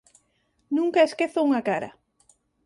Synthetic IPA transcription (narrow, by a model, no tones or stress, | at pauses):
nũŋkaeskeθouŋakaɾɐ̰